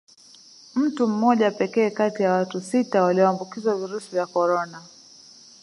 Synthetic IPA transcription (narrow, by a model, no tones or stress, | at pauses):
m̩tum̩mɔʄapɛkɛːkatijawatusitawaliɔambukizwaviɾusivjakɔɾɔna